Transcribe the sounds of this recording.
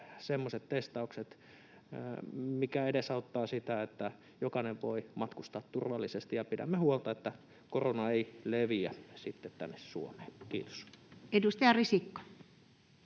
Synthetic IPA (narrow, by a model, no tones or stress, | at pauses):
semːoset̪t̪est̪ɑukset̪ | mikæedesɑut̪ːɑːsit̪æet̪ːæ | jokɑneʋʋoimɑt̪kust̪ɑːt̪t̪urʋɑlːisest̪ijɑpidæ̰mːehuolt̪ɑet̪ːæ | koronɑeileʋiæsit̪ːet̪t̪æ̰nːessṵomeːkḭːt̪o̥sedust̪ɑjɑrisikːo̥